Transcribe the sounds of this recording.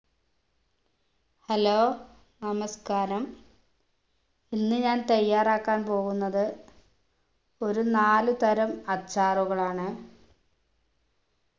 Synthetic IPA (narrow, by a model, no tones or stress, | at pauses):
hɐloː | nɐmɐskaːɾɐm | inːɨɲaːnt̪ɐjːaːraːkːaːnpo̞ːɣunːɐðɨ | o̞ɾunaːlut̪ɐɾɐmɐt͡ɕːaːruɣɐɭaːɳɨ